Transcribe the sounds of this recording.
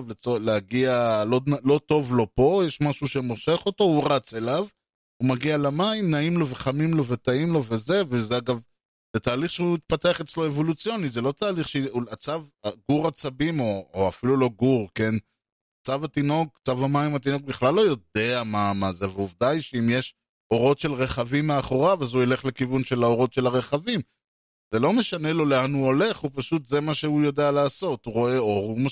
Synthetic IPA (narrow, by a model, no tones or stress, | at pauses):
vlet͡soleaɡialolo̞t̪o̞vlo̞po̞jɛʃmaʃuʃemoʃe̞χo̞t̪o̞uʁat͡se̞lav | umaɡialamaimnaimlo̞ve̞χamimlo̞vet̪aimlo̞veze̞vezeaɡav | let̪aːliχʃeuit̪̚pat̪eaχet͡slo̞evo̞lut͡sjo̞nizelo̞t̪aːliχʃat͡savaɡuʁat͡sabimo̞ːafilulo̞ɡuʁke̞n | t͡savatino̞ɡ̚t͡savamaimat̪ino̞ɡ̚biχlalːo̞jo̞d̪e̞amamazeveuvd̪ajʃeimjeʃ | o̞ʁo̞tʃe̞lʁe̞χavimeaχoʁavazuele̞χle̞kivunʃelaoʁo̞tʃe̞laʁe̞χavim | zelo̞meʃane̞lo̞leanhuo̞le̞χhupaʃut̪zemaʃeujo̞dealaːso̞t̪uʁo̞e̞o̞ʁuma